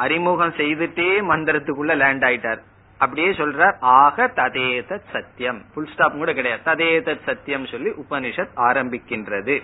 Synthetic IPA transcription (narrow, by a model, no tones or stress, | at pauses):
ʔɐɾɪmuːɣɐmsɛjðɯʈːeːmɐnd̪ɪɾɐt̪ːɯkːɯɭːɐleːɳɖaːjɪʈːaːɾ | ɐp̬ːɐɽɪjeːsɔlraːɾaːɣɐt̪ɐðeːt̪ɐt̪sɐt̪jɐmfʊlsʈaːpŋuːɽɐkːɪɽɐjaːt̪ɐðeːðɐt̪sɐt̪ːjɐmsɔlːiʔʊpɐnɪʂɐt̪aːɾɐmbɪkːɪndrɐðɯ